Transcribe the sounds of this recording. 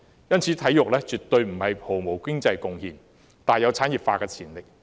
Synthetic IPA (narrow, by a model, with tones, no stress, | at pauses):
jɐ˥nt͡sʰiː˨˥t̪ʰɐ˨˥jʊ˨k̚lɛː˥t͡syː˨t̪ːɵ˧ɥm̩˨˩hɐ˨jpʰo˨˩wmo˨˩wkɪ˥ŋt͡sɐ˧jkʊ˧ŋhiː˨˩n | t̪aː˨˩jɐ˨˧wt͡sʰaː˨˥njiː˨p̚faː˧kɛː˧t͡sʰiː˨˩nlɪ˨k̚